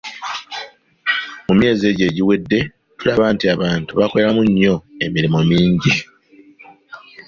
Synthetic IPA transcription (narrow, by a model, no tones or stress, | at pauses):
mumje̞ːzie̞ːɟe̞ːɟiwe̞dːe̞ | tulaβaːntiaβaːntuβakoeɾamuɲːo̞e̞miɾimomiːɲɟi